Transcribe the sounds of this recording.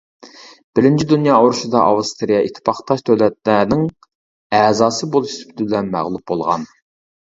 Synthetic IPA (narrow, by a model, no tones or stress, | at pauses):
b̥ɪɾɪnt͡ʃʰid̪unjɑːoɾuʃud̪ɑʔɑ̰wɨst̪ʰɾijɑʔit̪ʰːɪ̥pʰɑχt̪ʰɑʃt̪ʰøwlɛt̪̚lænɪŋ | ɛːzɑːsɨbolˠuʃsbyd̪ɪbɪlɛnmæ̰ʁlˠup̚bolˠʁɑ̰n